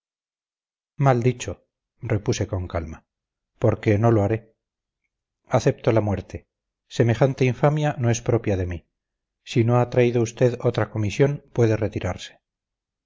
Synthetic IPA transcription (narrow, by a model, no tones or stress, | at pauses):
mald̪it͡ʃo̞ | re̞puse̞ko̞ŋkalma | po̞ɾke̞no̞loaɾe̞ | aθe̞p̚t̪o̞lamwe̞ɾt̪ʰe̞ | se̞me̞χant̪e̞iɱfamjano̞e̞spɾo̞pjaðe̞mi | sino̞at̪ɾaiðoust̪e̞ðot̪ɾako̞misjo̞npwe̞ðe̞re̞t̪iɾaɾse̥